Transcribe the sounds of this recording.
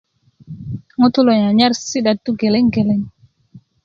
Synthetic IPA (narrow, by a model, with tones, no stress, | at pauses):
ŋu˦tu˦lo˨ɲa˨ɲa˦ɾsi˦ɗa˨tːu˦ɡɛ˨lɛ˦ŋɡɛ˨lɛ˦ŋ